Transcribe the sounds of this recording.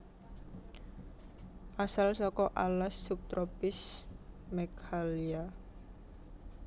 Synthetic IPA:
ʔasalsɔkɔʔalasːup̚t̪ɾɔpɪsmɛkhalia

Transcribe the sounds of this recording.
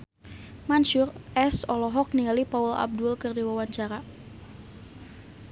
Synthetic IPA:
manʃurɛsɔlɔɦɔk̚nialipaula̰b̚dʊlkɨrdiwawaɲt͡ʃaɾa

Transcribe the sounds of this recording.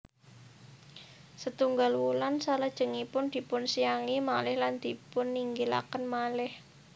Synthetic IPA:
sət̪uŋɡalwulansalad̥ʒ̥ə̤ŋipʊnd̪̥i̤pʊnsijaŋimalɪhland̪̥i̤pʊnːiŋɡila̰kənmalɪh

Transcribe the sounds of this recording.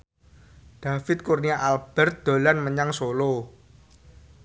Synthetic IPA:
d̪̥a̤fɪt̪̚kurniaʔalb̥ɛrt̪̚d̪̥o̤lanməɲaŋsolo

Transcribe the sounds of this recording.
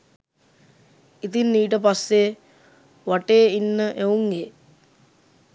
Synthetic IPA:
it̪inːiːʈ̬əpasːe | ʋaʈeːinːəʔeuŋɡe

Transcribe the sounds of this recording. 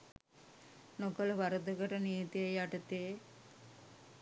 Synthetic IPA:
nokələʋaɾəd̪əkəʈəniːt̪ijəjaʈət̪ee

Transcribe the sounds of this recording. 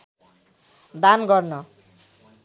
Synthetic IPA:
d̪anɡʌrnʌ

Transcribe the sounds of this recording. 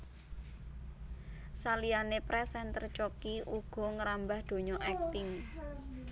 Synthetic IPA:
salianepɾɛsɛnt̪ərt͡ʃɔkiuɡ̥ɔ̤ŋəɾambahd̪̥o̤ɲɔʔɛk̚t̪ɪŋ

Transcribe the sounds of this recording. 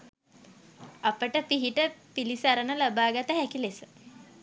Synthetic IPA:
apəʈəpiɦiʈəpilisəaɾənəlabaːɡat̪əɦækilesə

